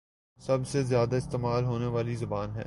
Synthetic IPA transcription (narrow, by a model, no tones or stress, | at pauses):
sɐbsezjaːd̪aɪst̪eːmaːlɦoːneʋaːlizɐbaːnɦɛ̰ː